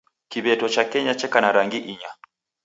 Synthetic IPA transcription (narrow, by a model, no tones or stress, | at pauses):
kiβɛtɔt͡ʃakɛɲat͡ʃɛkanaɾaŋɡiʔiɲa